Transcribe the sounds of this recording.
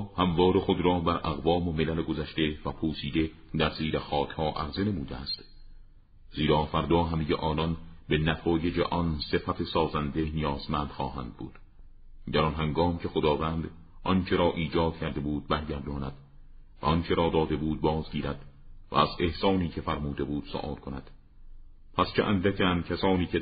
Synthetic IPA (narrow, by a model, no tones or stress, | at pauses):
hæmvɒːɾe̞xod̪ɾɒːbæɾʔæɣvɒːmome̞læleɡozæʃt̪e̞væpʰosiːd̪e̞ | d̪æɾziːɾexɒːcʰhɒːʔæɣzene̞muːd̪eæ̰st̪ | z̥iːɾɒːfæɾd̪ɒːɦæmejḛʔɒːnɒnbe̞næt̪ʰɒːje̞d͡ʒḛʔɒnse̞fæt̪ʰe̞sɒːzænd̪e̞nijɒːzmænd̪̥xɒːɦæ̰nd̪̥̚bṵːd̪̥ | d̪æɾɒnɦæŋɡɒːmcʰe̞xod̪ɒːvæːnd̪ | ʔɒnt͡ʃʰe̞ɾɒːʔiːd͡ʒɒːd̪̥̚cʰæɾd̪e̞buːd̪̥̚bæɾɟæɾd̪ɒːnæd̪̥ | væ̰ɒnt͡ʃʰe̞ɾɒːd̪ɒːd̪e̞buːd̪̚bɒːzɡiːɾæd̪̥væ̰æze̞hsɒːniːcʰe̞fæɾmuːd̪e̞buːd̪̥so̰ʔɒ̰ːlkʰonæd̪̥ | pʰæst͡ʃʰeʔænd̪ækʰːncʰæsɒːniːcʰe